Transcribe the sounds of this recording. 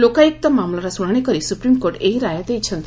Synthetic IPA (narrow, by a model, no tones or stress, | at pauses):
lokaik̚t̪əmamlaɾasuɽɳekəɾiːsupɾimkoɾʈeiɾajat̪eit͡ɕʰə̃nt̪